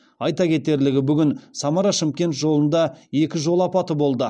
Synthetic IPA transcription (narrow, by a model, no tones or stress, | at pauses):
ɑjt̪ɑkʲʰe̞t̪e̞ɾlɪɡʲɪbʏɡʲɪnsɑmɑɾɑʃɪmkʲe̞nt̪ʒo̞lˠənd̪ɑe̞kʲɪʒo̞lˠɑpɑt̪əbo̞lˠd̪ə